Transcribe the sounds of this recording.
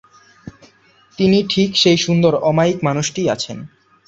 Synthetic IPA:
t̪iniʈʰikʃejʃund̪oɾɔmaikmanuʃʈiat͡ɕʰen

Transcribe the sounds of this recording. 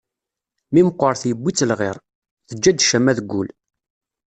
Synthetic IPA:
mimqːəɾˤθjəbːit͡sːəlʁɪɾˤ | θəd͡ʒːæd̪ʃæmæðəɡʷːul

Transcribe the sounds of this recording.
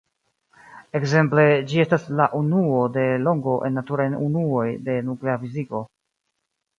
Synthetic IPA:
e̞kze̞mple̞d͡ʒie̞staslaʔunuo̞de̞lo̞ŋɡo̞ʔe̞nːatuɾajunuo̞jde̞nukle̞afiziko̞

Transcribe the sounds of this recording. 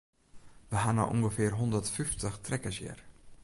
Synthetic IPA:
ʋəɦana̰wʔɔŋɡəfɪːrɦɔndərtfyftəχtrɛkəsjɪ̰r

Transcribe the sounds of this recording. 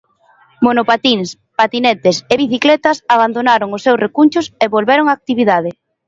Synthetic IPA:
monopat̪iŋs | pat̪inɛt̪eseβiθiklɛt̪ɐsaβand̪onaɾoŋʊsːewsrʔekunt͡ʃʊseβolβɛɾoŋaːk̚t̪iβiðað̞ɪ

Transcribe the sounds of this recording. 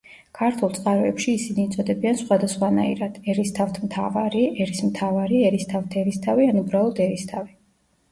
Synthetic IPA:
kʰaɾt̪ʰulˠt̪sʼqʼaɾɔɛpʃiːsiniːt̪sʼɔd̪ɛbiansχwad̪asχwana̰ḭɾad̪̥ɛɾist̪ʰaft̪ʰmt̪ʰa̰vaɾiɛɾismt̪ʰavaɾiɛɾist̪ʰavt̪ʰɛɾist̪ʰavianubɾalˠɔd̪ɛɾist̪ʰavi

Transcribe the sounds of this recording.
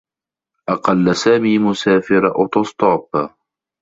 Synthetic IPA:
ʔɑqɑlːasaːmiːmʊsaːfɪɾʔʊt̪ɑsˤt̪ˤɑːb

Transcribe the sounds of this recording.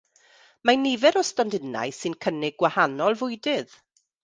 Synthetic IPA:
manivɛɾɔstɔndɪna̰jsɨnkʰənɪɡwahanɔlˠvʊjdɪð

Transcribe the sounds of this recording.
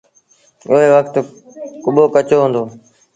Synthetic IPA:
ʊɦeːʋəkʰt̪ | kʊɓoːkət͡ʃoːɦʊ̃ːnd̪oː

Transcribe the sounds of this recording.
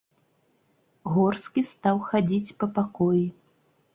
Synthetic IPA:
ɣɔrskʲist̪awxad͡zʲit͡sʲpɐpakɔji

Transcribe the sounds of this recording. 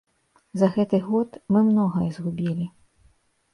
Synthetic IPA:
zɐɣɛt̪ɨɣɔt̪mɨmnɔɣɐɛzɣubʲilʲi

